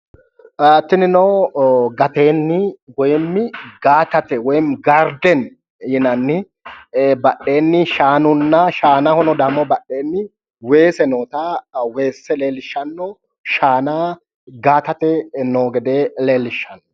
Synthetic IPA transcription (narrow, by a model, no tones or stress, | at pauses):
at̪ːɪnɪnɔwɡɐt̪e̞ːnːɪwɔjmːɪɡaːt̪ɐt̪ɛwɔjmɡɐɾd̪ɛn | jɪnɐnːɪ | bɐɗːe̞ːnːɪʃaːnʊnːɐʃaːnahɔnɔd̪ɐmːɔbɐɗːe̞ːnːɪ | weːsɛnoːt̪awe̞ːsːɛle̞ːlɪʃːɐnːɔ | ʃaːnaː | ɡaːt̪ɐt̪ɛnoːɡɛd̪eːleːlɪʃːɐnːɔ